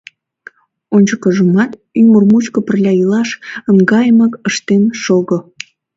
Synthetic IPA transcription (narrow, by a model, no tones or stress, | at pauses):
onʲt͡ɕəkəʒəmɑt̪ | ymərmut͡ɕkopərlʲɑilɑʃəŋɡɑjməkəʃt̪enʃoɣo